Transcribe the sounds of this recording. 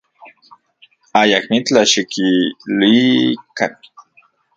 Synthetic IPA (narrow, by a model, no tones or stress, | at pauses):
ajakmit͡ɬaʃikilikan